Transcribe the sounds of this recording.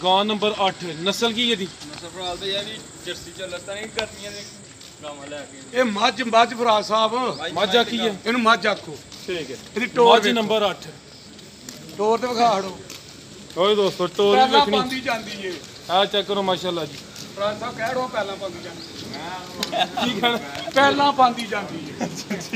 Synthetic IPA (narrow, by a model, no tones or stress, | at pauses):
ɡãːnəmbəɾəʈʰnəsəlk̬iːɛt̪iːnəsəlpʰəɽaːd̪iɛiː | d͡ʒəɾsiːt͡ʃələt̪akəɾd̪ɪãːe | ɛːkː | eːməd͡ʒməd͡ʒpʰɾaːd͡ʒsaːbməd͡ʒakʰːiɛɪnũːməd͡ʒaːkʰːoːʈʰiːkɛeɾiːʈoːɾd͡ʒiːnəmbəɾəʈʰ | ʈoːɾt̪eːʋəkʰaːɽoː | oːid̪oːsoːʈoːɾɛːlɪ̃ːnĩːnd̪iːd͡ʒãːnd̪iːeː | ɛ̃ːt͡ʃɛkːəɾõːmaːʃaːlːaːd͡ʒiː | pʰəɾaːd͡ʒsaːbkɛːɽoːpɛːlãːpãːnd̪iːd͡ʒãːnd̪iː | ʈʰiːkɛːnapɛːlãːpãːnd̪iːd͡ʒãːnd̪iːeː